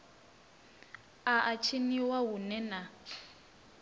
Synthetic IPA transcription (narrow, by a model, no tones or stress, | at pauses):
aʔat͡ʃʰiniwaɦunɛna